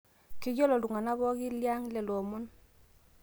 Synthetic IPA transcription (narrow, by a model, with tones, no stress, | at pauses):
ki˦ɟɔ˦lɔ˨lu˨ŋa˨na˦βɔ˦ɡi˦lja˦ŋlɛ˨lɔ˨mɔ˦n